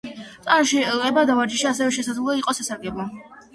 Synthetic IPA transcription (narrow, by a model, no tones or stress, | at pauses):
t̪sʼanʃiɛbad̪avaɾd͡ʒiʃaːsɛvɛʃɛsad̪zlˠɔiqʼɔsasaɾɡɛblˠɔ